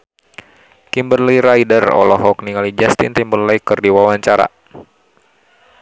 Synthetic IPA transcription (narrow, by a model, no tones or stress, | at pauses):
kimbərliiɾajdərɔ̰lɔɦɔk̚niŋalid͡ʒast̪ḭnt̪imbərləikɨrdiwawaɲt͡ʃaɾa̰